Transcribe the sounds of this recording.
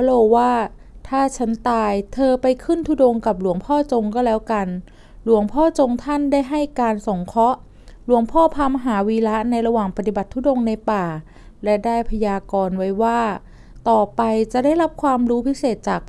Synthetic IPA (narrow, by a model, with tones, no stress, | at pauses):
loː˧waː˥˩ | t̪ʰaː˥˩t͡ɕʰa˦˥nt̪aː˧jt̪ʰɤː˧pa˧jkʰɯ˥˩nt̪ʰuː˥˩do˧ŋka˨˩p̚lu˨˩˦əŋpʰɔː˥˩t͡ɕo˧ŋkɔː˥˩lɛː˦˥wka˧n | lu˨˩˦əŋpʰɔː˥˩t͡ɕo˧ŋt̪ʰa˥˩ndaː˥˩jɦa˥˩jkaː˧nso˨˩˦ŋkʰɔ˦˥ʔ | lu˩˦əŋpʰɔː˥˩pʰaː˧ma˧ɦaː˩˦wiː˧la˦˥ʔna˧jɾa˧waː˨˩ŋpa˧t̪i˨˩ba˨˩t̪ʰːu˦˥˩do˧ŋna˧jpaː˨˩ | lɛ˦˥daː˥˩jpʰa˧jaː˧kɔː˧nwa˦˥jwaː˥˩ | t̪ɔː˨˩pa˧jt͡ɕa˨˩ʔda˥˩jɾa˦˥p̚kʰwaː˧mɾuː˦˥pʰi˦˥seː˨˩t̪̚t͡ɕaː˨˩k̚